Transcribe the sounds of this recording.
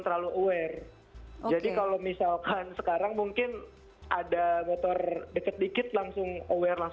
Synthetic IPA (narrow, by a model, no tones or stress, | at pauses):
t̪ərɾlaluowɛr | d͡ʒadikalomisalkansəkaɾaŋmuŋkɪn | ʔadamot̪ɔrdəkət̪̚dikɪt̪̚laŋsʊŋowɛrlaŋ